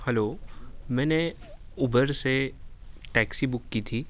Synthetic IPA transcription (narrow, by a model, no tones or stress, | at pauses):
hɛloːmɛ̃ːneuːbəɾse | ʈɛːksibʊkːit̪ʰiː